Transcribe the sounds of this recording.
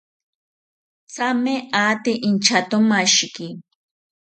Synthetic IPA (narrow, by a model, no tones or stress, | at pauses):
t͡sameʔat̪ɪʔint͡ʃat̪ʊmaʃki